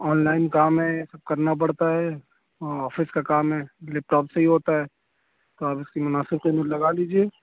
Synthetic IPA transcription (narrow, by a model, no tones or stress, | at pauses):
ɔːnlaːɪnkaːmɦɛsəb̚kɐɾnap̬ɐɽt̪aɦɛ | ɔːɾɔːfʰɪskakaːmɦɛlep̚ʈɔːpseɦiɦoːt̪aɦɛː | t̪oaːpʊskimʊnaːsɪbkomelɐɡaliːd͡ʒie